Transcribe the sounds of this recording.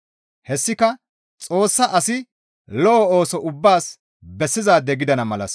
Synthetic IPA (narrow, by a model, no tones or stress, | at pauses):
hɛsːɪkɐ | t͡sʼo̞ːsːɐʔɐsɪ | lɔʔɔo̞ːsɔʔʊbːaːs | bɛsːɪzaːd̪ːɛɡɪd̪ɐnɐmɐlɐ̰s